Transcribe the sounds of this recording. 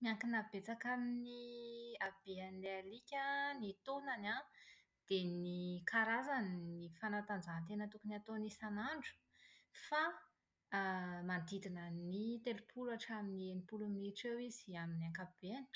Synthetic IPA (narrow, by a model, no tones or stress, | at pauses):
miaŋkinabet͡sakaminiab̥eanlealikʲənit̪onana | d̪̥enikaɾazaninifanat̪and͡zannt̪enət̪ukuniat̪onisanaɳɖ͡ʐu̥ | fa | mand̪id̪inənit̪elupʰulaʈ͡ʂaminienipuluniʈ͡ʂewiz̥iaminiaŋkab̥eani̥